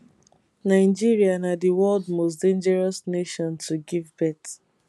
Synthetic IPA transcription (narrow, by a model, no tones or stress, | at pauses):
naɪd͡ʒiɹianadiwɔldmos̬dẽnd͡ʒɛɹɔsneʃɔ̃ntuɡivbɛt